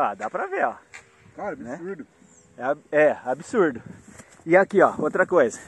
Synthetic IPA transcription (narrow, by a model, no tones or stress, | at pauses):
ad̪apɾɐveɔ | kaɾabinɛ̃uɾd̪ʊ | ɛaɛabisuɾd̪ʊ | ɪakiɔot̪ɾɐkojzɐ